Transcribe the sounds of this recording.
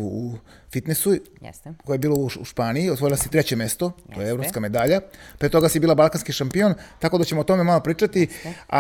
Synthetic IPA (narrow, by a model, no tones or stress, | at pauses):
uu | fit̪nesu | koeebiːlouʃpaːnijiot̪o̞ilˠasit̪ɾet͡ɕe̞me̞st̪ot̪ojeevɾo̞pskame̞d̪aʎapɾet̪oɡasibiːlabalˠkanskiʃampio̞nt̪akod̪at͡ɕe̞mot̪o̞memalopɾiːt͡ʂat̪ia̰